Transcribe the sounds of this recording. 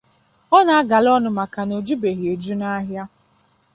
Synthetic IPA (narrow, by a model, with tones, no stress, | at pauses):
ɔ˦na˨a˦ɡa˨lɔ˦nʊ˦ma˨ka˨no˨d͡ʒu˦be˨ɦi˨e˨d͡ʒu˦na˦ɦja˦